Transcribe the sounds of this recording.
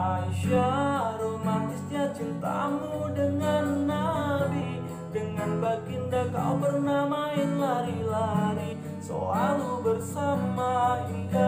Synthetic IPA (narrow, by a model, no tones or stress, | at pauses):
ʔaiʃaɾomat̪isɲat͡ʃint̪a̰mudəŋanːabi | dəŋanbakindaka̰ubərnamaɪnlaɾilaɾi | so̰aɾubərsamaia